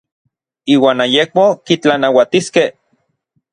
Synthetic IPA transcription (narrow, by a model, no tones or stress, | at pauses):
iːwaːnajek̚mokit͡ɬanawat̪iskeh